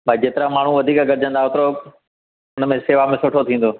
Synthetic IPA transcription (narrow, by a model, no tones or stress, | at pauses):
bʱaːid͡ʑeːt̪ɪɾamaːɳ̤ũʋɐd̪ʱiːkaɡəɾɪd͡ʑə̃nd̪aːʊt̪ɾo | ʊnmẽseːʋamẽsʊʈʰot̪ʰĩːn̆d̪oː